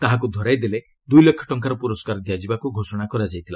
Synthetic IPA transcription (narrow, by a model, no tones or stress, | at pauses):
t̪aɦak̬ud̪ʱɔɾajd̪ele | d̪ujlekʰːɔ̥ʈɔŋkaɾɔpuɾɔskaɾd̪ijad͡ʒibakuɡʱosɔɽ̃akɔɾad͡ʒajt̪ʰila